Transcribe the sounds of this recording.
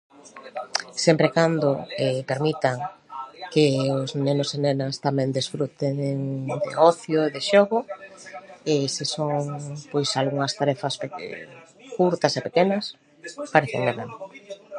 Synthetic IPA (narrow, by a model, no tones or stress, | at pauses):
sempɾekand̪o̰epeɾmit̪aŋkeoznenosenenast̪amɛ̃nd̪isfɾut̪eŋd̪ḛɔθjoeðeʃoɣo | esisoŋpojsalɣuŋɐst̪aɾɛfasp | kuɾt̪ɐasepekenɐs | paɾeθḛŋmeβeŋ